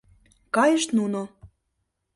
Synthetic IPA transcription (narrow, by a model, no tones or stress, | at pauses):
kɑjəʃt̪nuno